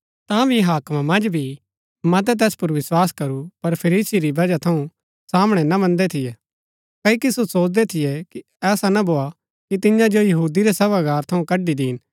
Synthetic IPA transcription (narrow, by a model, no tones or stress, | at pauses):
t̪ãbʱiɦaːkmamɐ̃nd͡ʒbʱi | mɐt̪̬ɛt̪̬ɛːspʊɾʋɪswaːskɐɾupɐɾpʰɐɾiːsiɾibɐd͡ʒat̪ʰɐũ | saːmɽ̃ɛnɐmɐ̃nd̪ɛt̪ʰɪjɛ | kɐːikisosoːt͡ʃd̪ɛt̪ʰɪjɛki | ɛːsanɐboːa | kit̪ɪjãd͡ʒojɐɦuːd̪iɾɛsɐbaɡaːɾt̪ʰɐũkɐɖid̪iːn